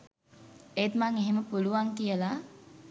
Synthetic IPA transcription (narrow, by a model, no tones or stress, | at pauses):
eːt̪maŋeɦeməpuluʋaŋkijəla